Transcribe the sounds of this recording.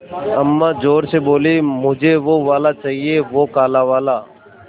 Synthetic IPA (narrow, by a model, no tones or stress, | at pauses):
əmːaːd͡ʒoːɾseːboːliːmʊd͡ʒʱeːʋoːʋaːlaːt͡ʃaːɦieːʋoːkaːlaːʋaːlaː